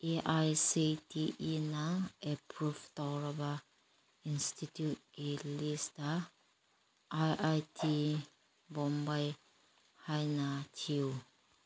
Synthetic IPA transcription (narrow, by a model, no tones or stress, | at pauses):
ʔeʔajsitiʔinaʔepɹuft̪awɹaba | inst̪it̪jut̪̚ilist̪a | ʔajʔajtʰi | bɔmbaj | hajnatʰiw